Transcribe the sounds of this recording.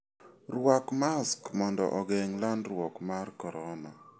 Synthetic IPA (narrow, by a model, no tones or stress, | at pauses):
rwakmaskmɔndɔ̰ʔɔɡɛŋlandrwɔkmarkɔɾɔna̰